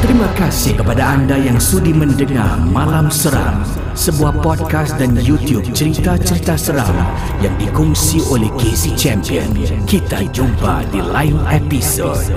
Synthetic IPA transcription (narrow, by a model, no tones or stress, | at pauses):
t̪əɾimãkasɪhkəpadaandajaŋsudiməndəŋa̰rmalamsəɾa̰ŋ | səbuahpɔd̚kast̪danjut̪jub̚t͡ʃəɾit̪at͡ʃəɾit̪asəɾa̰ŋ | jaŋdikuŋsiolɛhkezit͡ʃɛmpiənkit̪ad͡ʒuba̰dilainepiso̰d̚